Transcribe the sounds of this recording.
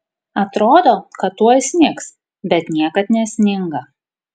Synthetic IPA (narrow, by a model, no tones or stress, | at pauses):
ɐt̪ɾoːd̪oːkɐt̪ːuɔjsʲnʲɪks | bʲɛt̪nʲiɛkɐt̪nʲɛsʲnʲɪŋɡɐ